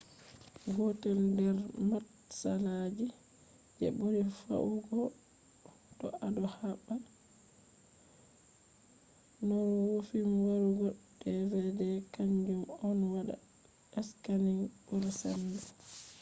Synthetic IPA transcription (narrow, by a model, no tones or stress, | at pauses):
ɡɔtɛldɛɾmat | salad͡ʒi | d͡ʒɛ̰boɾifa̰ʔuɡɔ | tɔ̰adɔhaɓːa | nɔɾwofimwaɾuɡɔdːɛvɛdɛkaɲd͡ʒumɔnwaɗa̰ | ɛskaninbuɾsandɛ